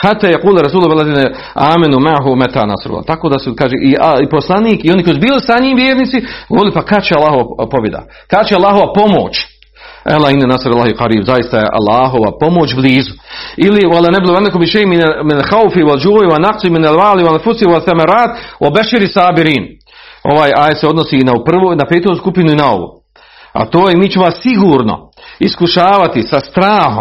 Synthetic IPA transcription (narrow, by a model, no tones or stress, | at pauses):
hat̪ːaːjaquːlaɾas̬uːloalːad̪iːne | aːmanumaʕɦumat̪a̰ːna̰sɾṵla̰t̪akoːd̪asukaːʒeːʔiaiposlˠaniːkio̞nikojsubiːlisaɲiːmʋjeːɾnit̪siɡoʋoɾɪlipakat͡ʃealːaːɦoʋapobjed̪a̰ | kat͡ʃealˠːaːɦoʋapo̞mo̰ːt͡ʃ | ʔa̰lainːɛnasaɾalaːhiqɑɾiːbzajist̪ajḛʔa̰lˠːaːɦoʋa̰pomoːt͡ʃbliːzuiliwalanabloanːakumiʃejminminlxawfiwald͡ʒuːjiwanaqsiminalʋaːliwaanfusiwalθamaɾaːt̪wabaʃiɾisaːbiɾiːn | o̞̰ʋaːjaːjet̪seo̞d̪nosiːnapr̩ʋonapeːt̪oskupinuinao̰ʋṵː | a̰t̪oːjemiːt͡ʃemoasiɡuːɾno̰iskuʃaːʋat̪isast̪ɾaːhom